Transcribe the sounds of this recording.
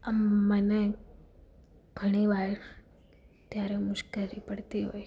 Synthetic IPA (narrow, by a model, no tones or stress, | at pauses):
əmːəne | ɡ̥ʱəɽ̃iʋaɾ | t̪jaɾemʊʃkelipəɽt̪iɦo̰j